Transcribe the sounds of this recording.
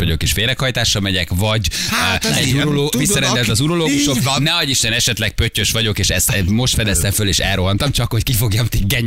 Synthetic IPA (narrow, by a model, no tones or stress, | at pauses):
ɒ̰ɟo̞̰keːʃfeːɾɛkhɒjt̪aːʃːɒmɛɟɛkvɒɟ | ɛuɾoloːɡvissːɒɾɛnd̪ɛlt̪ɒzuɾo̞loːɡuʃokbɒnɛɒɟiʃt̪ɛnɛʃɛt̪lɛk̚pøcːø̞ʃʋɒɟo̞keːʃɛst̪mo̞ʃt̪fɛd̪ɛst̪ɛɱføleːʃɛ̰lro̞ɦɒnt̪ɒmt͡ʃɒkho̞ckifo̞ɡjɒmt̪iɡːɛɲ